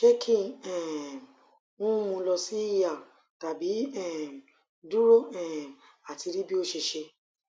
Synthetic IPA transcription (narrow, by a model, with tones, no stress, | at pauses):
ʃe˦kʰĩ˦˨ɛ̃˨ | ũ˦mũ˧lɔ˧si˦i˦ja˦˨ | ta˨bi˨˦ɛ˦˨ | du˦ɾo˦˨ɛ̃˨ | a˨ti˧ɾi˦bi˦o˦ʃe˧ʃe˧